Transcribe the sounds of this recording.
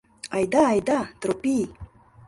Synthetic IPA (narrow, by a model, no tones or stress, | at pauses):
ajd̪aːjd̪at̪ɾopi